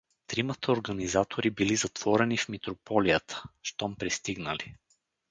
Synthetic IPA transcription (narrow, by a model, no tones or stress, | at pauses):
t̪ɾimət̪əoɾɡənizat̪ʰoɾibilizɐt̪v̥ɔɾɛnifmit̪ɾopɔlijət̪ʰə̥ʃt̪ɔmpɾist̪iɡnəli